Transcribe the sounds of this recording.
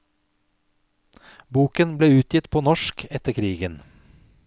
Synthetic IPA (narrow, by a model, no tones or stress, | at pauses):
buːkənbleːʉːt̪jɪt̪pʰoːnɔʃkɛt̪əkʰɾiːɡən